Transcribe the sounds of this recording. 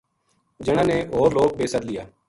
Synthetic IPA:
d͡ʒənãːneːɦoːɾloːɡ̚beːsəd̪lɪjaː

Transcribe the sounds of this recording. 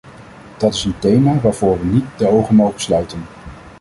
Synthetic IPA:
d̥ɑtɪsəntejmaːʋaːɹv̥ʊːɹʋənit̚dəowχənmowχəslœɥtən

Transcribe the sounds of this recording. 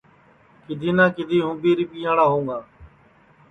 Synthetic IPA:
kɪd̪ʱiːnãːkɪd̪ʱiːɦʊ̃ːbiːɾiːpiːãːɽaːɦõːŋɡaː

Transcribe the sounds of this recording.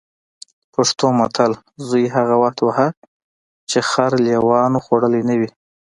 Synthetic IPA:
paʂt̪omat̪ʰal | zujɦaɣawaxt̪waha | t͡ʃexaɾljewɑnoxoɽəlenawi

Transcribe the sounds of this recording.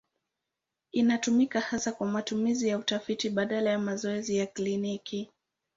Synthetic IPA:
inatumikahasakwamatumizijautafitiɓaɗalajamazɔɛzijakliniki

